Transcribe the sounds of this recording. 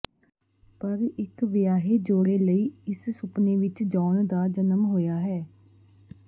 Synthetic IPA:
pəɾɪkʋjaːɦeːd͡ʒoːɾeːləiːɪssʊpneːʋɪt͡ʃd͡ʒaːnd̪aːd͡ʒənəmɦoːjaːɦɛː

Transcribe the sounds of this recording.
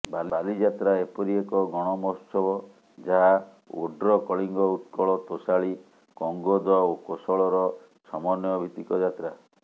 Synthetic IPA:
balialid͡ʒat̪ɾaepɔɾiekɔɡɔɽ̃ɔmɔsɔbɔ | d͡ʒaɦa | o̰ɖɾɔkɔɭiŋɡɔut̪kɔɭɔt̪osaɭi | kɔŋɡɔd̪ɔokosɔɭɔɾɔ | sɔmɔnjɔbʱit̪ikɔd͡ʒat̪ɾa

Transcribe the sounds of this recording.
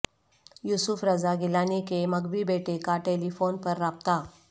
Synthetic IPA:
jusufɾəd͡zaɡilanikeməɡʋiːbeʈekaʈeliːfonpəɾːap̚t̪a

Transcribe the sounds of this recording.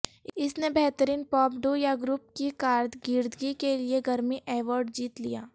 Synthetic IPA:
ɪsnebɛɦt̪əɾiːnpɔːpɖojaɡɾʊp̚kikaːɾd̪ɡɪːɾd̪ɡikelieɡʱɐɾmiʔeːʋɔːɾɖd͡ʒiːt̪lijaː

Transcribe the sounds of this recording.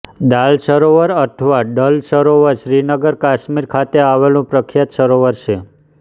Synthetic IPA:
d̪alʃəɾoʋəɾət̪ʰʋaɖəlsəɾoʋəɾʃɾinəɡəɾkaʃmiɾkʰat̪eaʋelũpɾəkʰjat̪ʃəɾoʋəɾt͡ʃʰe

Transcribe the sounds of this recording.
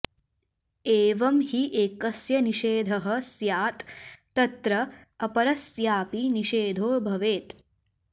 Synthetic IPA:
eːʋɐmhiʔeːkɐsjɐniʃeːd̪ʱɐɦɐ̆sjaːt̪ː | ɐt̪ɾɐ | ɐpɐɾɐsjaːpiniʃeːd̪ʱoːbʱɐʋeːt̪

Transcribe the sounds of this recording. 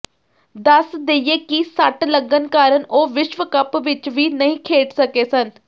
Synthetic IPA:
d̪əsd̪eːieːkisəʈləɡənkaːɾəɳoːʋɪʃʋəkəpʋɪt͡ʃʋiːnəɦĩːkʰeːʈsəkeːsən

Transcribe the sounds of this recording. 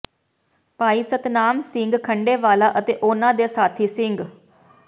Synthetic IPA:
paːiːsət̪naːmsɪŋɡkʰəɳɖeːʋaːlaːʔət̪eːʔʊːnãːd̪eːsaːt̪ʰiːsɪŋɡ

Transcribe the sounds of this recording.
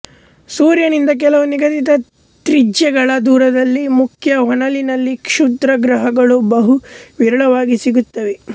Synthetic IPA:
suːɾjɐnind̪ɐk̬ɛlɐʋɐniɡɐt̪it̪ɐ | t̪ɾid͡ʒjɛɡɐɭɐd̪uːɾɐd̪ɐlːimukʰjɐɦɔnɐlinɐlːikʂud̪ɾɐɡɾɐɦɐɡɐɭubɐɦuʋiɾɐɭɐʋaːɡisiɡut̪ːɐʋe

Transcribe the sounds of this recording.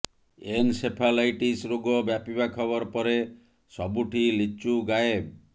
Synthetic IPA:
ensepʰalajʈisɾoɡɔbjapibakʰɔbɔɾɔpɔɾe | sɔbuʈʰilit͡ʃuɡae

